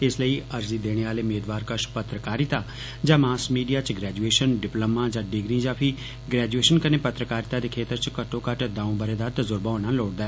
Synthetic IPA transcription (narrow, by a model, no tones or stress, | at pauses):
ɪsləiːəɾziːd̪eːɽ̃eːaːleːʊmeːd̪ʋaːɾkəʃpət̪ɾəkaːɾɪt̪aː | d͡ʒaːmaːsmiːɖijaːt͡ʃɡɾɛːd͡ʒueːʃənɖɪpləmãːd͡ʒaːɖɪɡɾĩːd͡ʒãːpʰi | ɡɾɛːd͡ʒueːʃənkəneːpət̪ɾəkaːɾɪt̪aːd̪eːkʰeːt̪əɾt͡ʃkəʈʰːõːkəʈd̪ãːũːbəɾeːd̪aːɾt̪əzʊɾbaoːnãːloːʈd̪ɛː